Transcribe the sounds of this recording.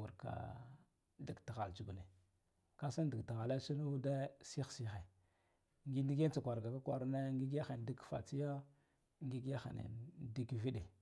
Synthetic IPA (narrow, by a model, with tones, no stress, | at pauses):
u˨ɾka̰˨ | di˨ɡta˨ɣa˨lt͡ʃu˨ɡu˨ne˨ | ka˦sa˦n˦di˨ɡta˨ɣa˨la˦si˦nu˦da˦si˦xsi˨xe˨ | ŋɡi˦ndi˦ɡe˦n˦t͡sa˨kʷa˨ɾɡa˨ka˦kwa˨ɾne˦ŋɡi˦ɡja˦xe˨n˨di˦kfa̰˨t͡si˦ja˦ | ŋɡi˦ɡja˦xa̰˨nḛ˨di˦kvi˦ɗe˨